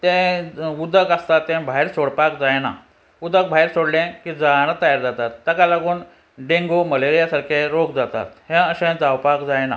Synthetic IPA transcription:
t̪ɛ̃ud̪əkəst̪at̪ːɛ̃bʱaɦiɾsoɽpakd͡zajna | ud̪ək̚bʱaiɾsoɽlɛ̃kid͡zañət̪əjaɾd͡zat̪at̪ːəkalaɡuːn | ɖeŋɡoməleɾijasaɾkʰẽɾokd͡zat̪a̰t̪hẽəɕɛ̃d͡zawpakd͡zajna̰

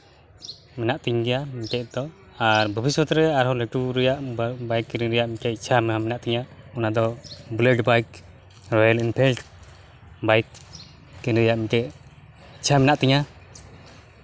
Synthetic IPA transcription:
mɛnaʔt̪iɲɡɛjamikɛʔ̚d̪ɔ | aɾbəbiswɔt̪ɾɛaɾɦɔlɛʈuɾɛjaʔbajkːɛɾiɾɛjaʔmikɛʔ̚t͡ʃʰamɛɦamɛnaʔt̪iɲaɔnad̪ɔbləɖbajk | ɾɔjɛlinpʰɛlʈ | bajt̪̚ | kɛnɾɛjaʔmikɛʔ | t͡ʃʰamɛnaʔt̪iɲa

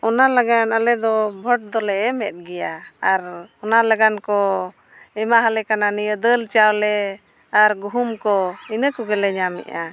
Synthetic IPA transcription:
ɔnalaɡanalɛd̪ɔbʱɔʈ̚d̪ɔlɛɛmɛt̪̚ˀɡɛjaaɾɔnalaɡankɔ | ɛmaɦalɛkananijəd̪əlt͡ʃawlɛ | aɾɡuɦumkɔinəkɔɡɛlɛɲamɛ̰ʔa

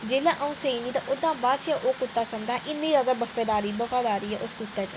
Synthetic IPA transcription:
d͡ʒeːlãːʔəũːsəiːniːt̪ãʔʊd̪ãːbaːd̪t͡ʃɛʔoːkʊt̪ːaːsəmd͡ʒ̪ãːʔɪnːĩːɾəd̪aːbəfeːd̪aːɾiːbəfaːd̪aːɾiːɛːʔʊskʊt̪ːɛːt͡ʃ

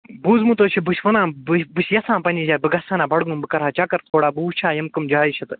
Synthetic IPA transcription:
buːzmut̪oːt͡ʃʰibuʃʋɐnãːbɨbɨsjɐsãːpɐnʲiːzʲaːbɨɡɐsaːnaːbɐɽɡũːbɨkɐɾɦaːt͡ʃakɐɾt̪ʰoːɽaːbuːt͡ʃʰaːjɐmkɐmd͡ʒaːiʃʰɐt̪ɨ

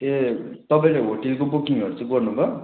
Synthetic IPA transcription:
et̪ʌpãĩleɦoʈelkobukiŋɦʌɾut͡sãĩɡʌrnubʱʌ

